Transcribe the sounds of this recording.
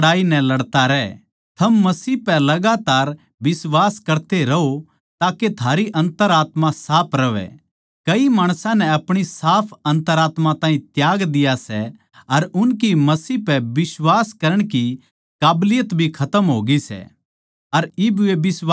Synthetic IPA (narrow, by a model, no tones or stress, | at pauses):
ɽaːinɛ̃lɐɽt̪aɾɛ | t̪ʰɐmːɐsiːpɛlɐɡaːt̪aːɾ | bɪswaːskɐɾt̪eɾɐɦo | t̪aːket̪ʰaːɾiʔɐ̃nt̪əɾaːt̪mãsaːpʰɾɐʋɛ̰ | kɐimaːɽ̃sãnɛɐpɽ̃isaːpʰɐ̃nt̪əɾaːt̪mãt̪ãːĩt̪jaːɡd̪ɪjasɛ | ɐɾʊnk̬imɐsiːpɛbɪswaːskɐɾəɽ̃ki | kaːblɪjət̪bʱikʰɐt̪əmɦoːɡisɛ̰ | ɐɾɪbuebɪs